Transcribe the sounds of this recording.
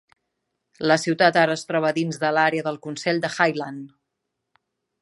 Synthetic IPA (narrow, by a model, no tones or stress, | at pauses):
ləsiwt̪at̪aɾəːst̪ɾɔβəðinzðəlaɾeəðəlˠkunsɛʎʲd̪əxajlan